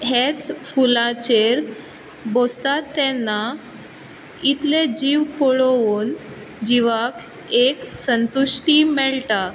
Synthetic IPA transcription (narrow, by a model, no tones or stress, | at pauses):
ɦet͡sfulat͡ɕeɾ | bost̪at̪ːɛnːa | it̪led͡ʑiʋpɔɭoʋuːn | d͡ʑiʋak | eksənt̪uʂʈimɛɭʈa